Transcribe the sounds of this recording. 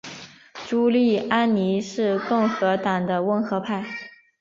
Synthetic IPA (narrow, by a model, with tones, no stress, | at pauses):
ʈ͡ʂu˥li˥˩a˥nni˧˥ʂɻ̩˥˧kɤ˥˩ŋxɤ˧˥t̪a˨˩ŋd̪ə˦wə˧˥nxɤ˧˥pʰa˥˩ɪ